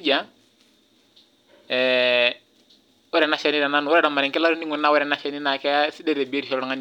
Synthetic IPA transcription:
d͡ʒa˦ | ɛ˨ | wɛ˦ɾɛ˨na˦ʃɛ˨ni˦na˨na˦nʊ˨wɛ˦ɾɛ˦˨da˨ma˨ɾɪ˨ŋkɛ˦la˦ɾu˦ni˦ŋʊ˨nːa˦wɛ˦ɾɛ˨na˦ʃɛ˦ni˦na˨kɛ˦sɪ˦dɛ˦ɾe˨bi˨e˦ɾi˨ʃɔ˦lɔ˨ŋa˦n

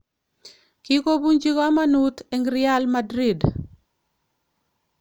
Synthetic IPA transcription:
ki˦ko˦bu˦ɲd͡ʒi˦ka˦ma˦nut̪eŋɡɾɪa˦lmadɾi˨d

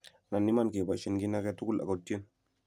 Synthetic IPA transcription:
na˨nːi˦ma˦nke˨ba˨ʃe˨nɡi˦na˦kɛ˦tu˦ɡu˦la̰˨ko˨tːi˦e˦n

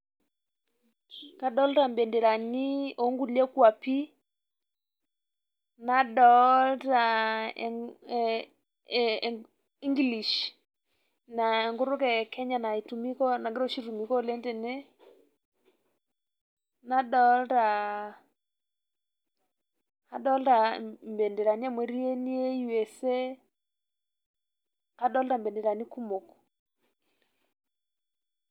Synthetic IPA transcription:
ka˦dɔ˦lɾa˨mbɛ˨nde˨ɾa˨ni˦o˨˦ŋɡu˦lɛ˦kwa˨pi˦ | na˦dɔ˨˦lta˨ | i˦ŋɡli˨ʃ | na˨ɛ˨ŋɡʊ˦ɾʊ˦kɛ˨kɛ˦ɲa˨na˨i˨tu˨mi˦kɔ˦na˨ŋɡɪ˦ɾɔ˦ʃi˦tu˨mi˨kɔ˦lɛ˦ntɛ˨nɛ˦ | na˦ɗɔ˦lɾa˨ | a˦ɗɔ˦lɾa˨mbɛ˨ndɛ˨ɾa˨ni˦a˦mwe˨ɾi˦e˦ni˦e˦ju˦we˨se˦ | a˦ɗɔ˦lɾa˦˨mbɛ˨ndɛ˨ɾa˨ni˦ku˦mo˨k

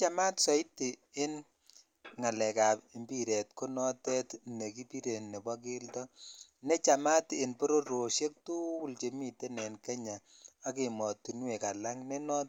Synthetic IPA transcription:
t͡ʃa˦ma˦tsɔ˨i˦tːi˨ɪ˦n | ŋa˨lɛ˨ka˨pi˨mbi˦ɾe˨t̚ko˦nɔ˦tɛ˦tne˨ki˦pi˦ɾe˨tne˨bɔ˦k̬ɪ˦ltɔ˦ | ne˦t͡ʃa˨ma˦tɪ˨npo˦ɾo˦ɾo˨ʃe˦k̚tu˦wu˦lt͡ʃe˨mi˨te˦nɛ˨nke˦ɲa˨ | a˦ki˨mɔ˨tːu˨nwe˨ka˨la˦ŋne˦nɔ˦t

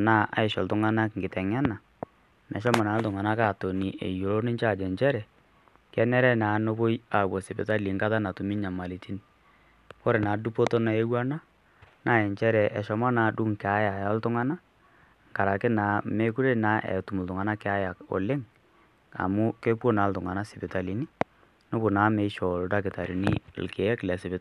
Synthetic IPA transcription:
na˦a̰˨ɪ˨ʃɔ˨ltʊ˦ŋa˦na˦kŋ̩ɡɪ˨tɛ˨ŋɛ˦na˨ | nʔɛ̰˨ʃ̬ɔ˦ma˨na˨˦ltʊ˨ŋa˨na˦ka˦˨to˨ni˨ʔe˨jo˨lo˦nɪ˦ɲt͡ʃa˦˨d͡ʒɛ˨ɲt͡ʃɛ˦ɾɛ˨ | kɛ˦nɛ˦ɾɛ˦naː˨˦no˦bo˦ja˨bo˨sɪ˨pɪ˨ta˦li˨ŋka˦ta˦na˨tu˨mi˦ɲa˨ma˨li˨ti˦n | ko˦ɾe˨na˨du˦po˦to˦na˨e˦wa˦na˦ | na˨˦˨ɛ˨ɲt͡ʃɛ˦ɾɛ˨ʔʃɔ˨ma˦na˨du˦ŋkɛ˨a˦ja˨jɔ˦ltʊ˦ŋa˦na˦ | ŋka˨ɾa˨kɪ˦na˨me˦ku˦ɾe˦na˨˦ʔɛ̰˨tu˨m˨l̩˨tʊ˨ŋa˨na˦kɛ˨˦a˦ja˨ko̰˨lɪ˦ŋ | a̰˨mʊ˦ke˦pwo˦na˨˦ltʊ˨ŋa˨na˦sɪ˨pɪ˨ta˨li˨ni˦ | no˦bo˨naː˨˦me˨˦ʃɔ˨lda˦k̬ɪ˨ta˨ɾi˨nḭ˦lke˨ɛ˦klɛ˨sɪ˨bɪ˦t

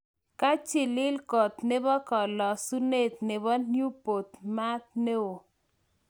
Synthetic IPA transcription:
ka˦t͡ʃɪ˨lɪ˦lkɔ˨t̪ne˦bɔ˦kɔ˨lɔ˨su˦ne˦˨t̪̚nɪ˨bɔ˦nju˦po˨t̪ma˦t̪̚ne˦o˨

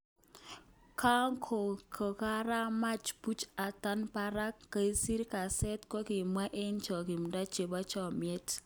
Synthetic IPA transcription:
kʰa˦ŋkʰo˨kʰo˨ka˦ɾa˦ma˦t͡ʃpu˦t͡ʃa˨ta˦npa˦ɾa˦kːa˨i˦si˦ɾka˨sɛ˦tkɔ˦ki˨mwa˦ʔe˦nt͡ʃɔ˨ki˨m˨da˦t͡ʃe˨ba˦t͡ʃɔ˨mjɛ˦t

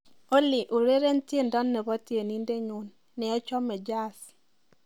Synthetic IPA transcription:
o˦lɪ˨ʔu˨ɾe˦ɾe˦ntje˦ndɔ˦nːɛ˨βɔ˦tje˨ni˦nde˦ɲu˨˦nː | ɛ˨ɔ˦t͡ʃɔ˦mɛ˨d͡ʒa˦˨s

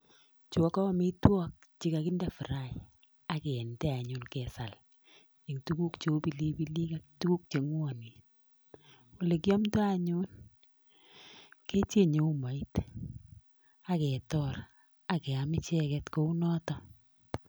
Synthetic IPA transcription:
t͡ʃɔ˦kɔ˦mi˦twɔ˦k̚t͡ʃi˨ka˨ki˦ndɛ˨fɪ˨ɾa˦j | a˦kɛ˨ɛ˨ntɛ˦a˨ɲunkɛ˨sa˨l | e˨ŋtu˦ku˦kt͡ʃo˨˦pi˨li˦bi˦li˦ka˦ktu˦ku˦k̚t͡ʃe˨ŋwa˨ni˨ | ʊ˨le˨k̬i˦ɔ˦mto˦a˦ɲʊn | ke˦t͡ʃe˦ɲe˨u˦ma˨i˦t | a˦kɛ˨tɔɾ | a˨kɛ˨a˨mɪ˦t͡ʃɛ˦kɛtko˦u˦nɔ˦tɔ

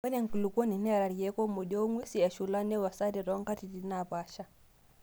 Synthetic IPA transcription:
wɛ˦nɛ˦˨ŋ̩˨ku˨lu˨kɔ˦ni˨nɛ˦a˨ɾa˨ɾi˨jɛ˦kɔ˦mɔ˨ɗɔ˦ŋwi˦si˨a˨ʃu˨la˦nɛ˦wa˨sa˦ɾi˨ɾɔ˦ŋka˦ti˨di˨na˨pa˦ʃa˦

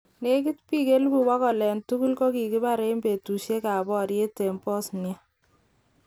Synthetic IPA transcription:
ne˦k̬i˦tpi˦ke˦lbu˨wa˦kɔ˨lɛ˨ntu˦ku˦lkɔ˦ki˨ki˦ba˦ɾe˦mbe˨tu˨ʃe˦ka˨bɔ˦ɾje˦te˨mpɔ˦snja˦

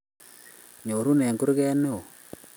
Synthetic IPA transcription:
ɲo˨ɾu˦nɛ˨ŋɡu˦ɾɣɛ˦ne˦o˨

